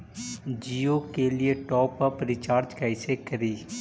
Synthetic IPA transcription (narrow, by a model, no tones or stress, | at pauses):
d͡ʒiːokelɪeʈɔːpəpɾɪt͡ʃaːɾd͡ʒkaɪsekɐɾiː